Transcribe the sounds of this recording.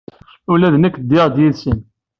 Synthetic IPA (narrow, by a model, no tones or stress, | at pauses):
ʊlæðənækːd̪ːɪʁd̪jiðsən